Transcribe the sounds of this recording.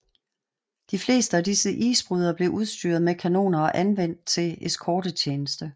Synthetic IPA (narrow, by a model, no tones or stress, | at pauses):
d̥ifle̝̰ːsd̥əædisəʔḭːsb̥ʁyð̞ˠɐb̥le̝ʔuðˠsd̥yɐð̞̩ˠmekʰæno̝̰ːnɐɒ̽ʔænʋen̰d̥̚t͡sʰe̝eskʰɒːd̥ət͡ɕʰeːnəsd̥ə